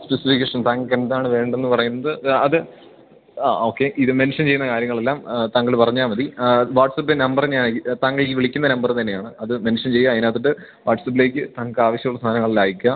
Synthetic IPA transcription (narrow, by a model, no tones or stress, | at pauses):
spesifikʲːeʂɐnt̪aːŋkenɐðaːɳɨʋe̞ːɳɖenːɨpɐrɐjunːɐðɨɐðɨ | o̞ːkːe̞ʔiðɨme̞nʂɐnt͡ɕe̞jːunːɐkaːɾjɐŋːɐɭe̞lːaːmt̪aːŋːɡɐɭpɐrɐɲːaːmɐðiʋaːʈsɐpːenɐmbɐrɲaːnit̪aːŋːɐɭk̬ːɨʋiɭikʲːunːɐnɐmbɐrt̪ɐnːe̞jaːɳɨɐðɨmenʂɐnt͡ɕe̞jːaɐðinaːt̪̬ːiʈːɨ | ʋaːʈsɐp̬ːile̞ːk̬ʲːɨt̪aːŋːkɨaːʋɐɕjɐmuɭːɐst̪ʰaːnɐŋːɐɭilaːjikʲːɐ